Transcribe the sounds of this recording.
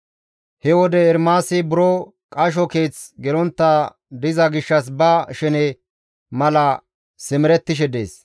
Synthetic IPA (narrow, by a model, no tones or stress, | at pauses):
hɛwɔd̪ɛːɾmaːsɪbʊɾo | kʼɐʃ̬ɔke̞ːt͡sɡɛlɔnt̪ːa | d̪ɪzɐɡɪʃːɐs̬bɐʃɛnɛ | mɐlɐ | sɪmɪɾɛt̪ːɪʃ̬ɛd̪ḛːs